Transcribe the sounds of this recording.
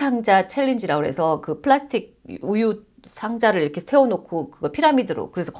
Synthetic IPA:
aŋd͡ʑat͡ɕʰeʎːind͡ʑiɾaɡoɦe̞̰sʰʌkɯpʰɯɭasʰɯ̥tʰik̚uju | sʰaŋd͡ʑaɾɯɭiɾʌkʰe̞sʰe̞onokʰokɯɡʌpʰiɾamidɯɾo̰kɯɾe̞sʰʌk

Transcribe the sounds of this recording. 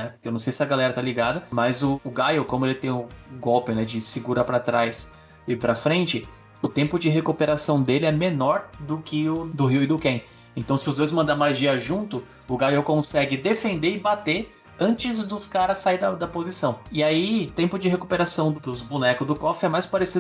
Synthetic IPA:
nɛpʊkewnɐ̃sejsɪɐɡalɛɾɐt̪aliɡad̪ɐmɐzʊːɡajowkõmʊelɪt̪ẽj̃ʊɡɔwpɪnɛd͡ʒɪsɪɡuɾapɾat̪ɾajs | ɪpɾɐfɾẽnt͡ʃɪ | ʊt̪ẽmpʊd͡ʒɪɦekupeɾasɐ̃w̃d̪elɪɛmenɔɾd̪ʊkɪʊd̪ʊɦiwɪd̪ʊkẽ | ẽnt̪ɐ̃w̃sɪʊzd̪ojzmɐ̃nd̪amaʒiɐʒũnt̪ʊ | ʊɡajowkõsɛɡɪd̪efẽnd̪eɪbat̪e | ɐ̃t͡ʃɪzd̪ʊskaɾɐsaiɾd̪ɐd̪ɐpozisɐ̃w̃ɪait̪ẽmpʊd͡ʒɪɦekupeɾasɐ̃w̃d̪d̪ʊzbunɛkʊzd̪ʊkɔfɪɛmajspaɾesid̪ʊ

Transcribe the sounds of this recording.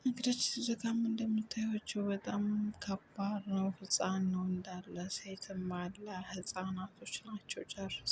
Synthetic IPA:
mɨɡd̪at͡ʃːsɨzəkamɨnd̪əmːɨt̪ʰːajhot͡ʃːɛwbət̪ʼamkʰəbaɾnəwhɨsʼanːəwɨnd̪alːəset̪ʰɨmalːəhɨsʼanat̪ʰo̞t͡ʃːnat͡ʃːɛwt͡ʃʼərs

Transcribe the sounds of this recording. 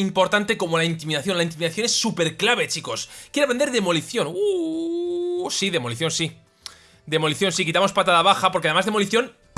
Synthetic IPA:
impo̞ɾt̪ant̪e̞ko̞mo̞laint̪imiðaθjo̞nlaint̪imiðaθjo̞nesːupe̞ɾklaβe̞t͡ʃiko̞skjeɾeβend̪eɾðe̞mo̞liθjo̞nu | siðe̞mo̞liθjo̞nsi | d̪e̞mo̞liθjo̞nsikit̪amo̞spat̪aðaβaxapoɾkeaðe̞mazðemo̞liθjo̞n

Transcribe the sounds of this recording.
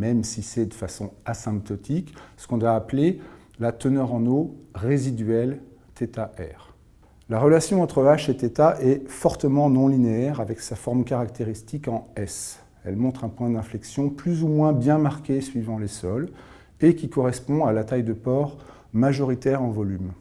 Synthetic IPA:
mɛmsisɛd̪əfasɔ̰̃asɛ̃p̚t̪ɔt̪ʰiksə̥kɔ̃d̪waːple | lat̪ənœʁɑ̃noʁezid̪ɥɛl | t̪et̪aʔɛ̰ʁ | laʁəlasjɔ̃ɑ̃t̪χəaʃet̪et̪aʔɛfɔʁt̪əmɑ̃nɔ̃lineɛʁavɛksafɔʁmkaʁakt̪ʰeʁist̪ikɑ̃ɛs | ɛlmɔ̃t̪χɛ̃pwɛ̃d̪ɛ̃flɛksjɔ̃plyzumwɛ̃bjɛ̃maʁkʲesɥivɑ̃lesɔl | ekʲikɔʁɛspɔ̃alat̪ajd̪əpɔʁ | maʒɔʁit̪ɛʁɑ̃vɔlym

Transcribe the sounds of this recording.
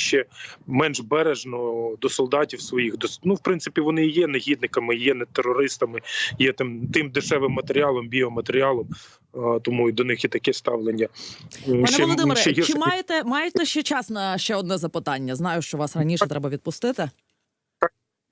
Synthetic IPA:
ʃt͡ʃɛmɛnʒbɛɾeʒnɔd̪ɔsɔlˠd̪ɑtʲiwsʋɔjixd̪ɔsnuwpɾɪnsɪpʲiʋɔnɪjɛneɦʲid̪̚nɪkɐmɪjɛnɛt̪erːɔɾɪst̪ɐmɪjɛt̪ɪmt̪ɪmd̪ɪʃɛʋɪmːɐt̪eɾʲɪɑlˠɔmbʲiɔmɐt̪eɾʲɪɑlˠɔm | t̪ɔmuid̪ɔnɪxjɛt̪ɐkɛst̪ɑʋlˠenʲːɐ | ɑnʋɛɔlˠɔd̪ɪmɪɾɦit͡ʃɪmɑjet̪ɛmɑjet̪ɛʃt͡ʃɛt͡ʃɑsnɐʃt͡ʃɛɔd̪nɛzɐpɪt̪ɑnʲːɐznɑjʊʃt͡ʃɔʋɑsrɐnʲiʃɛt̪ɾɛbɐʋʲid̪pʊst̪ɪt̪ɪ | t̪

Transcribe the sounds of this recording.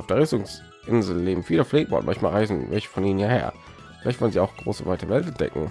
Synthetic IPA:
aʊfd̥eːɐɪstʊŋs | ʔɪnzl̩leːbm̩fiːləfleːɡəba̰ʊtnma̰nçmaːlʁaɪzn̩vɛlçə̥fɔniːnənhiːɐhḛːɐ | fɪla̰ɪçtvɔlənziːaʊxɡ̥ʁo̰ːsəvaɪtəəvɛltɛntd̥ɛ̰kŋ̩

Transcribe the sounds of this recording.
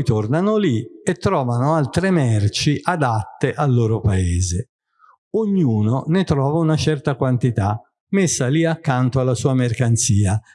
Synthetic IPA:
jt̪ornanoliet̪ːɾɔːvanoalt̪ɾemɛrt͡ʃiʔad̪at̪ːeʔalːoːɾopaeːze | oɲːuːnonet̪ɾɔːvaunat͡ʃɛrt̪akwant̪it̪a | mesːaliakːant̪oalːasuːamerkant̪siːa

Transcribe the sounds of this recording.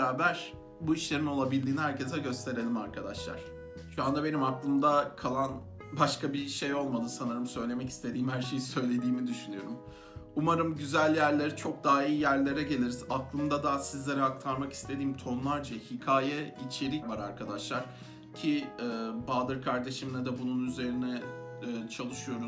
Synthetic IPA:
aːbæɾ̥ | buiʃlʲe̞ɾimno̞lˠabilʲd̪iːniɦæɾce̞sɛɟø̞st̪ʰe̞ɾe̞lʲimaɾkʰad̪aʃlˠa̰ɾ̥ | ʃuand̪abe̞nimaklˠɯmd̪akʰalˠan | baʃkabiʃe̞jo̞lˠmad̪ɯsanɯɾɯmsø̞jlʲe̞mɛci̥st̪ʰe̞d̪iːmhæɾʃe̞jisø̞jlʲe̞d̪iːmid̪yʃynyjo̞ɾum | umaɾɯmɟyzælʲjæɾlʲeɾit͡ʃʰo̞k̚d̪aɦiːjæɾlʲe̞ɾɛɟe̞lʲiɾizaklˠɯmd̪ad̪asizlʲe̞ɾɛak̚t̪ʰaɾmaki̥st̪ʰe̞d̪iːmt̪ʰo̞nlˠaɾd͡ʒahicʰaːjɛit͡ʃʰe̞ɾivaɾaɾkʰad̪aʃlˠaɾ̥ | cʰiɛːbaːd̪ɯɾkʰaɾd̪e̞ʃimlʲɛd̪ɛbununyze̞ɾinɛː | t͡ʃʰalˠɯʃɯjo̞ɾu

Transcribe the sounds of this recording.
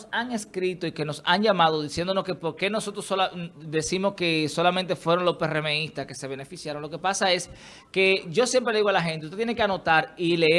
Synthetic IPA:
saŋe̞skɾit̪oike̞no̞sa̰ɲʝamað̞oðisjend̪o̞noskepo̞ɾke̞no̞so̞t̪ɾosolad̪e̞simo̞ske̞so̞lamẽnt̪e̞fwe̞ɾo̞nlo̞spe̞reme̞ist̪aske̞se̞β̞e̞ne̞fisjaɾo̞nlo̞ke̞pasae̞s | ke̞ɟ͡ʝo̞sje̞mpɾe̞leiɣo̞alaxe̞nt̪eust̪et̪jenekeano̞t̪aɾile

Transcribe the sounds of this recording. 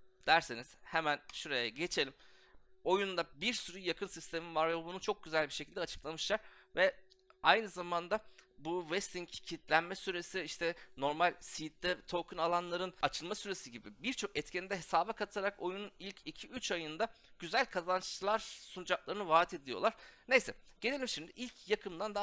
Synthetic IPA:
d̪̥æɾseniz̥hemænʃuɾejɛɟe̞t͡ʃʰe̞lʲimo̞jund̪abiɾsyɾɯjakʰɯnsist̪ʰe̞mivaɾvɛbunut͡ʃʰo̞k̚ɟyzælʲbiʃecʰild̪ɛat͡ʃʰɯ̥klˠamɯʃlˠaɾ̥vɛ | ajnɯzamand̪abuvɛst̪iɲccʰit̪lʲænmɛsyɾe̞siiʃt̪ʰɛno̞ɾmalʲsit̪d̪ɛt̪ʰo̞kʰɯnalˠanlˠaɾɯnat͡ʃʰɯlˠmasyɾe̞siɟibibiɾt͡ʃʰo̞kɛt̪cʰɛnd̪ɛɦe̞saːbɛkʰat̪ʰaɾako̞jununilʲcʰicʰiyt͡ʃajɯnd̪a | ɟ̥yzælʲkʰazant͡ʃlˠaɾsunud͡ʒaklˠaɾɯnɯvaːt̪ʰe̞d̪ilʲijolˠaɾ̥nejsɛɟ̥elʲilʲimʃimd̪iʔilʲcʰjakʰɯmd̪and̪a

